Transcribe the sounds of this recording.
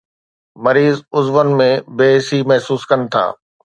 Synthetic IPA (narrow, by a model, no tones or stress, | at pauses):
mɐɾiːzʊzʋənmẽbeːsimɐɦsuːskɐnɪ̆t̪ʰa̰ː